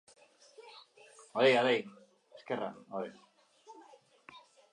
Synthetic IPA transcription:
oðejaðej | eskera̰oðe

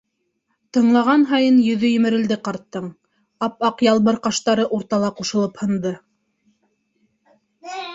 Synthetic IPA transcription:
t̪ɤ̆ɴlˠɑʁɑnɦɑjɤnjɵ̆ðɵjɵ̆mɘ̆ɾɘ̆ld̪ɘqɑɾt̪ːɤɴ | ɑp̚ɑqjɑlˠβɤɾqɑʃt̪ɑɾɤʔuɾt̪ɑlˠɑquʃɤ̆lˠɤphɤ̆nd̪ɤ

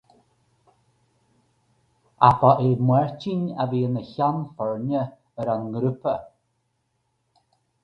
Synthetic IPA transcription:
apaʔɪɹmwɛɹt͡ʃina̰viːənəçanfɔɹnə | əɾanɡɾupə

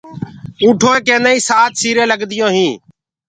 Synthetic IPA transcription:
ũːʈʰoːeːkẽːnd̪aːĩːsaːt̪ʰsiːɾẽːləɡd̪ɪjõːɦĩː

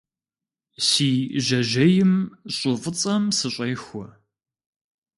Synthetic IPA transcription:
siːʒɐʒɐjɪmɕʼʊfɨt͡sʼɐmsɨɕʷʼejxʷʊ

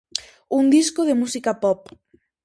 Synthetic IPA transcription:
uŋd̪iskoðemusikapɔp

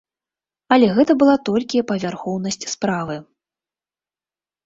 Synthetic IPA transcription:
ɐlʲɛɣɛt̪ɐbɨlˠat̪ɔlʲkʲiɐpɐvʲarxɔwnɐsʲt͡sʲspɾavɨ

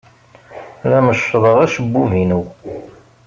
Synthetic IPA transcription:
ɾæməʃðˤəʁæʃəbːuvinəw

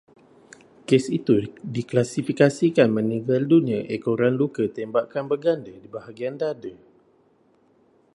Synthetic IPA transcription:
kesit̪udiklasifikasikanmə̃nĩvaldunĩə̃ʔekoɾanlukət̪ɛmbaʔkanbəɡandədibaɦaɡiandadə

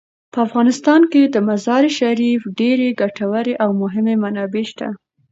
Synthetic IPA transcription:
pəafɣɑnɪst̪ɑnked̪əmazɑɾeʃaɾifɖeɾeɡaʈawəɾeʔawmʊɦɪmemanɑbeʃt̪a̰

